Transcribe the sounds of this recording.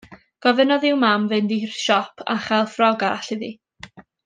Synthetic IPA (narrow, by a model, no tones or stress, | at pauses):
ɡ̥ɔvənɔðɪwmamvɨndirʃɔpʰa̰χɛlˠfrɔɡaɬiði